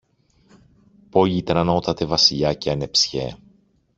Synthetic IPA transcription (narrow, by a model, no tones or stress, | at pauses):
pojit̪enɐnot̪ɐt̪e̞vɐsiʎɐceɐnepsçḛ